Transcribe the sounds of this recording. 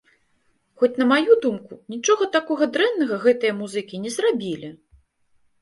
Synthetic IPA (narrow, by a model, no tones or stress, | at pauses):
xɔt͡sʲn̪ɐmajud̪umkunʲit͡ʂɔɣɐt̪akɔɣɐd̪ɾɛnːɐɣɐɣɛt̪ɐjɐmuzɨkʲinʲɛzrabʲilʲi